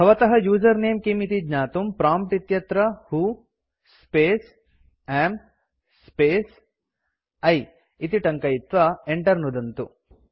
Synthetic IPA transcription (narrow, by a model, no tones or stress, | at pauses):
bʱɐʋɐt̪ɐɦɐjuːd͡ʒɐɾneːmkimit̪id͡ʒɲaːt̪umpɾaːmpʈit̪jɐt̪ɾɐhu | speːs | eːm | speːs | ɐj | it̪iʈɐŋkɐjit̪ʋɐeɳʈɐɾnud̪ɐnt̪u